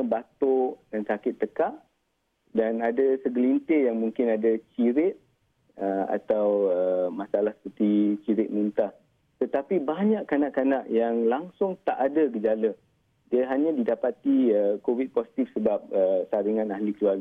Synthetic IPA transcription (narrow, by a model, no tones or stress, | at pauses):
bat̪odansakɪt̪ːəkaʔ | danadasəɡəlint̪ɪjaŋmuŋkɪnadat͡ʃiɾɪt̪̚ | əa̰t̪awəmasalahsə̥pərt̪it͡ʃiɾɪt̪̚munt̪a | t̪ət̪apibaɲaʔkːanaʔkanaʔjaŋlaŋsʊŋt̪aʔadaɡəd͡ʒalə | diəɦaɲãdidapat̪iəkowit̪̚posi̥t̪ifsəbap̚əsaɾiŋãnahlikəluarɡ